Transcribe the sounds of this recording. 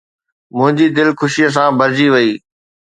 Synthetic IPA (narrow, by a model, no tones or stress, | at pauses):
mʊ̃ɦɪ̃ɲd͡ʑiːd̪ɪlkʰʊʃijəs̬ãːbɐɾd͡ʑiʋɐiː